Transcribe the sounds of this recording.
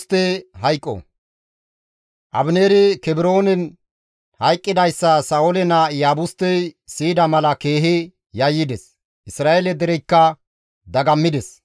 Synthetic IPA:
t̪ːɛɦɐjkʼːɔ̰ | ʔɐ̰bneːɾɪkɛbɾo̞ːnɪn | hɐjkʼːɪd̪ɐjsːɐsɐʊlɛnɐjaːbʊst̪ːɛsiːd̪ɐmɐlɐke̞ːɦɪ | jɐjːɪd̪ɛs | ʔɪsɾaːelɛd̪ɛɾɛjkːɐ | d̪ɐɡɐmːɪd̪ɛs

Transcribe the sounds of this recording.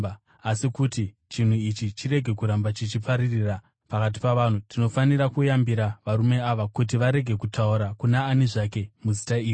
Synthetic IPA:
asikuti | t͡ʃin̤uit͡ʃit͡ʃire̞ɡʱe̞kuɾambat͡ʃit͡ʃipaɾirira | pakat̬i̥paʋaːn̤utʰino̞faniɾakujambiɾaʋaɾume̞aʋakut̬iʋaɾe̞ɡʱe̞kutʰauɾakunaːniʐake̞muzitaiːjo

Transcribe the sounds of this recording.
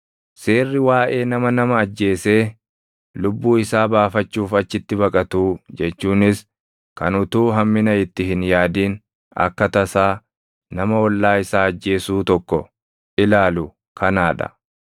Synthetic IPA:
se̞ːrːɪwaːʔe̞ːnɐmɐnɐmɐːd͡ʒːe̞ːseː | lʊbːuːɪsaːbaːfɐt͡ʃːuːfɐt͡ʃːɪt̪ːɪbɐkʼɐt̪uːd͡ʒɛt͡ʃːuːnɪs | kɐnʊt̪uːɦɐmːɪnɐɪt̪ːɪhɪnjaːd̪iːn | ɐ̰kːɐt̪ɐsaː | nɐmɐwɔlːaːɪsaːɐd͡ʒːe̞ːsuːt̪ɔkːɔ | ʔɪlaːlʊ | kʰɐnaːᶑɐ̰

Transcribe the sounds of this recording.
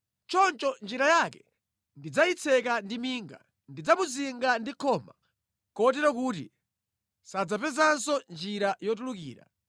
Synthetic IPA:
t͡ʃɔnt͡ʃɔnd͡ʒiɾajakɛ̥ | ndid͡zait͡sʰɛkandimiːŋɡa̰ | ndid͡zamuziŋɡandikʰɔma | kɔt̬ɛɾɔk̬uːt̬ḭ | sad͡zapɛzansɔnd͡ʒiɾajɔt̬ulukḭːɾa̰

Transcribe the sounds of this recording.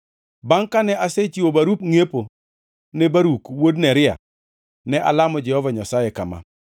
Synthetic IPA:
baŋkanɛʔaset͡ʃiwobaɾupŋepo | nebaɾukwodnɛɾɪa̰ | nɛʔa̰lamɔd͡ʒɛhɔvaɲasajekama̰

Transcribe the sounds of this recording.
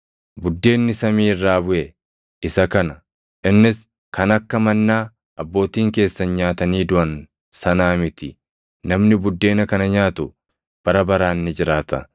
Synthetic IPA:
bʊd̪ːe̞ːnːɪsɐmiːrːaːbʊʔɛ | ɪsɐkɐnɐ | ʔɪnːɪs | kɐnɐkːɐmɐnːaː | ʔɐbːo̞ːt̪iːŋke̞ːsːɐnɲaːt̪ɐniːd̪ʊʔɐn | sɐnaːmɪt̪ɪ | nɐmnɪbʊd̪ːe̞ːnɐkɐnɐɲaːt̪ʊ | b̥ɐɾɐbɐɾaːnːɪd͡ʒɪɾaːt̪ɐ̰

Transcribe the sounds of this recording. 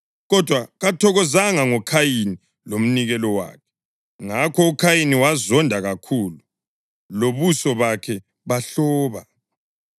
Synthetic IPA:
ɣɔd̥ʱwaɣatʰɔɣɔzaŋaŋɔkʰajini | lom̩niɣɛlɔwa̰ːkʰɛ̥ | ŋakʰɔukʰajiniwazɔndʱaɣakʰuːlu | loβusɔβakʰɛ | βaɬɔːβa̰

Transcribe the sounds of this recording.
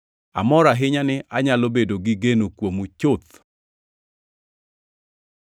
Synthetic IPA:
a̰mɔɾaɦɪɲanɪʔaɲalobedoɡɪɡenokwomut͡ʃʊt̪̚

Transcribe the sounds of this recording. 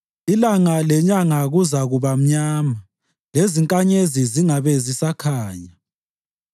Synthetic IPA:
ilaŋalɛɲaŋaɣuzaɣuβam̩ɲaːma | leziŋkʼaɲeziziŋaβezisakʰaːɲa

